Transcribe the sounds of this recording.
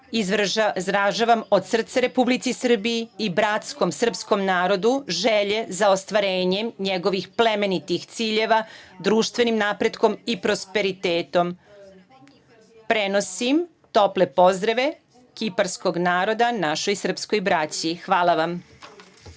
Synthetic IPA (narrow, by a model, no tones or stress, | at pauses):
izɾaʒaʋamo̞d̪sr̩t̪seɾe̞publit̪sisr̩bijiːbɾat̪sko̞msr̩psko̞mnaːɾo̞d̪uʒeʎezaost̪ʋaɾeːɲe̞mɲeɡo̞ʋixple̞me̞nit̪ixt̪siːʎe̞ʋad̪ɾuːʃt̪ʋe̞nimnapɾe̞d̪ko̞mipɾo̞spe̞ɾit̪eːt̪o̞m | pɾeno̞sim | t̪o̞ple̞po̞zd̪ɾaʋe̞ | kipaɾsko̞ɡnaːɾo̞d̪anaʃo̞jsr̩psko̞jbɾat͡ɕixʋaːlˠaʋam